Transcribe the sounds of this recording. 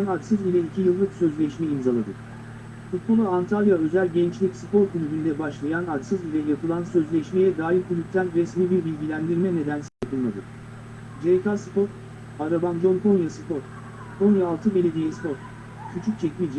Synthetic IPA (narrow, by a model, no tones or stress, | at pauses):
nat͡ʃsɯzbilʲɛicʰijɯlˠːɯksø̞zlʲɛʃmɛimzalˠad̪ɯ | fut̪̚bo̞lˠuant̪ʰalʲˠjaø̞zælʲɟɛnt͡ʃlʲicsɯpo̞ɾkʰylʲybynd̪ɛbaʃlˠajanat͡ʃsɯzbilʲɛjapʰɯlˠansø̞zlʲɛʃmejɛd̪aːɦiɾkʰulʲyp̚t̪ʰænɾɛsmibiɾbilʲɟilʲænd̪iɾmɛne̞d̪ænsaj̪apɯlˠmad̪ɯ | d͡ʒejkasɯpo̞ɾ | aɾaband͡ʒo̞ŋkʰo̞njasɯpo̞ɾ | kʰonjaːlˠt̪ʰɯbe̞lʲe̞d̪ijɛspo̞ɾ | cʰyt͡ʃʰyc̚t͡ʃʰɛcmid͡ʒɛ